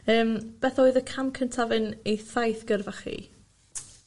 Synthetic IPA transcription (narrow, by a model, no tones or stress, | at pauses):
əːmb̥ɛθɔɨðəkʰamkʰəntʰavɨnejθajθɡ̥ərvaχḭ